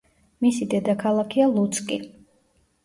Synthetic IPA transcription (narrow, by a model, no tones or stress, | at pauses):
misid̪ɛd̪akʰalˠakʰialˠut̪sʼkʼi